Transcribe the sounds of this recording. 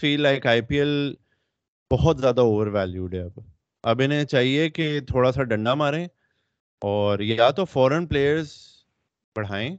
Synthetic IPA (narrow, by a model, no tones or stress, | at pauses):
fiːlːaːɪkaːɪpiːɛl | b̥ɔɦɔt̪zjaːd̪aoːʋəɾʋɛːljuːɖɛɐb | ɐbɪnɦẽt͡ʃaːɦieket̪ʰoːɽasaɖɐ̃ɳɖamaːɾẽː | ɔːɾjaat̪ofɔːɾənpleːjəɾz | bɐɽ̤aːẽː